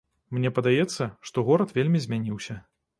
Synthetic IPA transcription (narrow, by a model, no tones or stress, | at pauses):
mnʲɛpɐd̪ajɛt̪sːɐʂt̪ɔɣɔɾɐt̪vʲelʲmʲizʲmʲanʲiwsʲɐ